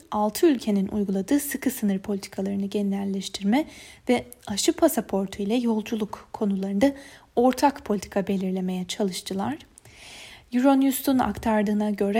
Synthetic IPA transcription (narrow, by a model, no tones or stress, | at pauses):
alˠt̪ʰɯylʲcʰe̞ninʔṵjɡulˠad̪ɯːsɯkʰɯsɯnɯɾpʰo̞lʲit̪ʰi̥kʰalˠaɾɯnɯɟenilʲæɾlʲːɛʃt̪ʰiɾmɛvɛaʃɯpʰasapʰo̞ɾt̪ʰuilʲɛjo̞lˠd͡ʒulˠukʰːo̞nulˠaɾɯnd̪ao̞ɾt̪ʰakpʰolʲt̪ʰi̥kʰabe̞lʲiɾlʲe̞me̞jɛt͡ʃʰalˠɯʃt̪ʰɯlˠaɾ̥ | juɾonjust̪ʰuna̰kt̪ʰaɾd̪ɯːnaɟø̞ɾɛ